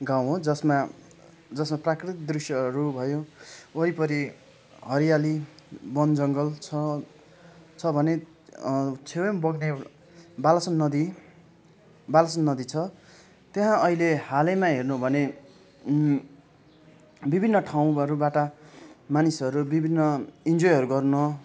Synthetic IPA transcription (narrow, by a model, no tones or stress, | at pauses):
ɡaw̃ɦõd͡zʌsma | d͡zʌsmaprakrit̪ik̚d̪risjʌɦʌɾubʱʌjoʌipʌɾi | ɦʌɾijalibʌnd͡zʌŋɡʌlt͡sʰʌ | t͡sʰʌbʱʌne | t͡sʰewembʌɡne | balʌsʌnːʌd̪i | balʌsʌnːʌd̪it͡sʰʌ | t̪jeɦãʌɦilehalemãɦernubʱʌne | bibʱinːʌʈʰaw̃ʌɾubaʈamanisʌɾubibʱinːʌind͡zojɦʌɾuɡʌrnʌ